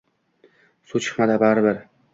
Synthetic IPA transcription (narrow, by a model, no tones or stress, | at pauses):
sut͡ʃʰɨ̥χmad̪abaɾbɪɾ